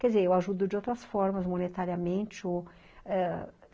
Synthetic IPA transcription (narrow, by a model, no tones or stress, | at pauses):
kɛd͡ʒɪzeɾewaʒud̪ʊd͡ʒɪowt̪ɾɐsfɔɾmɐzmõnet̪aɾiɐmẽnt͡ʃɪo | ɛ